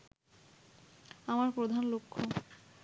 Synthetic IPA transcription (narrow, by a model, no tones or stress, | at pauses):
amaɾpɾod̪ʱanlokʰːo